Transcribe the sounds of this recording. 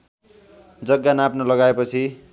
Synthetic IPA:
d͡zʌɡːanapnolʌɡaepʌt͡sʰi

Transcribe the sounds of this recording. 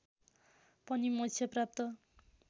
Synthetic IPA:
pʌnimʌt͡sʰjʌprap̚t̪ʌ

